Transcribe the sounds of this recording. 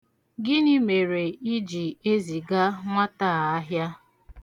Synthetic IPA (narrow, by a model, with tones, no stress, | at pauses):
ɡɪ˦ni˦me˨ɾe˨i˦d͡ʒi˨e˦zi˨ɡa˦ŋʷa˦taː˦˨a˦ɦja˦